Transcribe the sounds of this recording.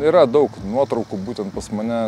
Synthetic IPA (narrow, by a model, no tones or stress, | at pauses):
iːɾɐd̪ɐʊknuɔt̪ɾɔʊkuːbuːt̪ʲɛnt̪̚pɐsmɐnʲɛ